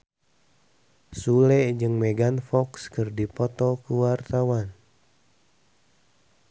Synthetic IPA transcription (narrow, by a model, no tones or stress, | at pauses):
sulɛd͡ʒɨŋmeɡanfɔkskɨrdipɔt̪ɔkuwart̪awan